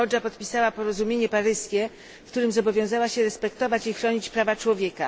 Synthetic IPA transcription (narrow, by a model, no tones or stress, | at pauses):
ɔd͡ʐapɔt̪pʲisawapɔɾɔzumʲjeɲɛpaɾɘskʲɛ | fkt̪uɾɘmzɔbɔvʲjɔ̃w̃zawaɕɛɾɛspɛk̚t̪ɔvat͡ɕixɾɔɲit͡ɕpɾavat͡ʂwɔvʲjeka